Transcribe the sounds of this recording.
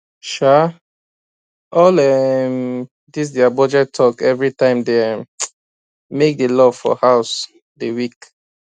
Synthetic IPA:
ʃa | ɔlɛm | dis̬dɛabɔd͡ʒɛtʰːɔkɛvɹitãɪ̃mdeɛ | mek̚delɔv̥fɔ̰haʊs | dewik

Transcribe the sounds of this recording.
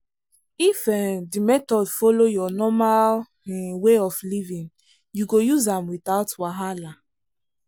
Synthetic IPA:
ifɛdimɛtɔdfɔlojɔnɔmal | weɔflivĩn | juɡojuzãmwiθaʊtwaɦala

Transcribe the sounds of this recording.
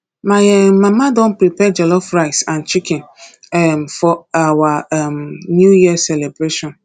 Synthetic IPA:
majɛmãmadɔ̃npɾipɛd͡ʒɛlɔfɾaɪsãnt͡ʃikɛ̃n | ɛmfɔawamnjujiasɛlebɾeʃɔ̃n

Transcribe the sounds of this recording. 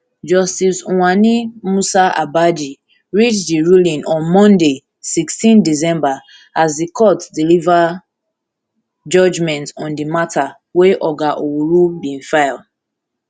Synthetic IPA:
d͡ʒɔstisũwanimusaʔa̰bad͡ʒi | ɹit͡ʃdiɹulĩnʔɔ̃nmɔ̃nde | sikstĩndis̬ɛ̃mba | azdikʰɔtdiliva | d͡ʒɔd͡ʒmɛ̃ntɔ̃ndimatʰa | weʔɔɡaʔowuɹubĩnfaɪl

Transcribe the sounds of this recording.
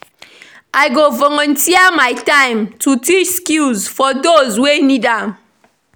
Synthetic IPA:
aɪɡovɔŋɔntiamaɪtãɪ̃mtutit͡ʃskilzfɔdozwenidam

